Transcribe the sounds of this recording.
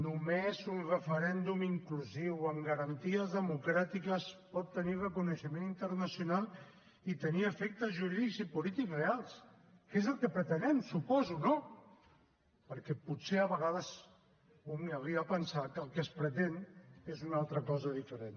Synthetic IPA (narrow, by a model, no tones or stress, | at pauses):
numezunrəfəɾɛnd̪umiŋkluziwəmɡəɾənt̪iəzðəmukɾat̪ikəspɔt̪ːənirəkunəʃəmenint̪əɾnəsjunalˠ | it̪əniəfɛk̚t̪əzʒuɾiðikzipulit̪ikrealˠs | kezəlˠkəpɾət̪ənɛmsupɔzuno | pəɾkɛput̪seəβəɣað̞əz | umiawɾiəpənsakəlˠkəspɾət̪enezunalˠt̪ɾəkɔzəðifəɾen